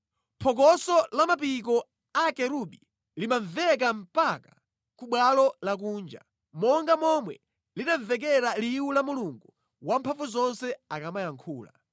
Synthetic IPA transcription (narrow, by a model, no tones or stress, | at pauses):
pʰɔk̬ɔsɔlamapik̬ɔ | akɛɾuɓi | limaɱvɛk̬am̩pakḁ | kuɓwalɔlak̬uːnd͡ʒa̰ | mɔŋɡamɔmwɛ | linaɱvɛk̬ɛɾaliwulamuluŋɡu | wam̩pʰaɱvuzɔnsɛakamajaŋkʰuːla̰